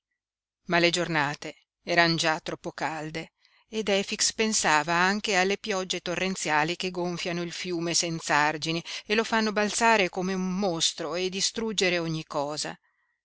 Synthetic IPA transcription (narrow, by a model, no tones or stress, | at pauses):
maled͡ʒornaːt̪e | ɛːɾanod͡ʒat̪ːɾɔpːokald̪eː | d̪ɛfikspensaːvaaŋk̟ealːepjɔd͡ʒːet̪orːent̪sjaːlik̟eɡoɱfjanoilfjuːmesɛnt̪saard͡ʒinielofanːobalt̪saːɾekomeumːost̪ɾoed̪ːist̪ɾud͡ʒːeɾeoɲːikɔːza̰